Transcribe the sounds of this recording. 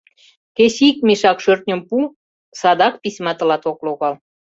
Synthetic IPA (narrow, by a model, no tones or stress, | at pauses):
keɕik̚miʃɑkʃørt̪̚nʲŏmpu | sɑd̪ɑk̚pisʲmɑt̪ə̆lɑt̪okloɣɑl